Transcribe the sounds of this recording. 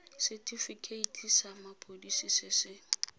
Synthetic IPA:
sɪtʼifikʰʼeitʰʼisamapʰʼodisisɪsɪ

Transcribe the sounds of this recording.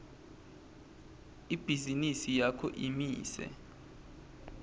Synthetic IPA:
ib̥ʱizinisijakʰɔ̰ʔimiːsɛ̰

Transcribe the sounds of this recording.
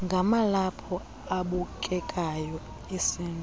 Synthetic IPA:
ŋɡʱamalapʰɔ | aɓukʼɛkʼajɔ | esiːnʱʼ

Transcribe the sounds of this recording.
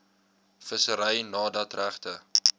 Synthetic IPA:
fəsəɾəjnɑːdɐtræχtə

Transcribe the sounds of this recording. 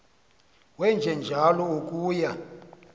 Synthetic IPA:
wɛnd͡ʒʱɛnd͡ʒʱalɔokʼuːja

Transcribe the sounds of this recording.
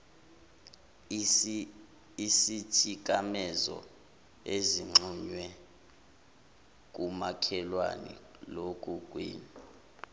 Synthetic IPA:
isit͡ʃʼik̬ʼamɛzɔ̰ | eziŋ͡ǁʱuɲwɛ | k̬ʼumakʰɛlwa̰nḭlokʼukʼwiːni

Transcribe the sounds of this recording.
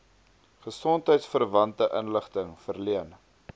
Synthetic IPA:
χəsɔntɦəjtsfərvɐntəʔə̰nləχtəŋfərliən

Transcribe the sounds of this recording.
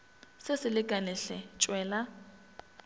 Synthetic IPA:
sɪsɪlɪkʼanɪɬɛt͡ʃʼwɛːla

